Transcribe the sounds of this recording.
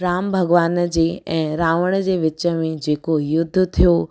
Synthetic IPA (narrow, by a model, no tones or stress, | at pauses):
ɾaːmbʱɐɡʋaːnd͡ʑeːɛ̃ːɾaːʋəɽ̃əd͡ʑeːʋɪt͡ɕə̆mẽd͡ʑeːkojʊd̪ʱːt̪ʰijo